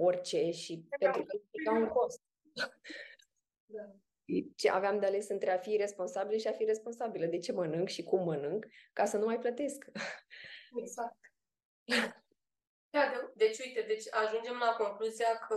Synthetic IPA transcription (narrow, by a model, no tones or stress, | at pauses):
o̞rʲt͡ʃe̞ʃipe̞nt̪ɾukəikamuŋko̞st̪̚ | d̪a | ʃit͡ʃeʔa̰veamd̪eale̞sɨnt̪ɾe̞afire̞spo̞nsabiləʃiafiɾe̞spo̞nsabiləd̪e̞t͡ʃe̞mənɨŋɡʃikumːənɨŋɡːasənumajplət̪e̞sk | eɡzak̚t̪ | a | d̪ad̪ed̪e̞t͡ʃʲuit̪e̞d̪et͡ʃʲaʒund͡ʒe̞mlako̞ŋkluziakʰə